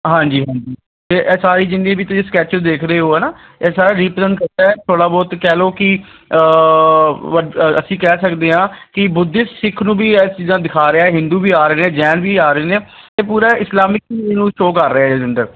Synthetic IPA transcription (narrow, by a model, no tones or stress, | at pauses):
ɦãːɲd͡ʒiːɦãːɲd͡ʒiː | t̪eːʔɛːsaːɾiːd͡ʒɪ̃nd̪ẽːbiːt̪ʊsĩːskɛːt͡ʃd̪eːkʰɾəeːɦoːɦɛːnaː | ɛːsaːɾaːɾiːpəsə̃nd̪kəɾt̪aːɛːt̪ʰoːɽaːbɔːt̪kɛːloːkɪ | əə̰sĩːkɛːsəkd̪eːɦãːkɪbʊd̪ɪssɪkʰnũːbiːɛːt͡ʃiːzãːd̪ɪkʰaːɾeaːɛːɦɪ̃nd̪uːbʱiːaːɾəːnẽːd͡ʒɛːnbiːaːɾəeːneː | t̪eːpuːɾaːʔɪslaːmɪk̚ːnũːʃoːkəɾːeːaːeːd͡ʒənɖ̪əɾ